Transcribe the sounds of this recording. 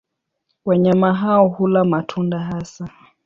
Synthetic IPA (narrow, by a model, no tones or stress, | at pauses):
waɲamaɦaɔhulamatʰundaɦasa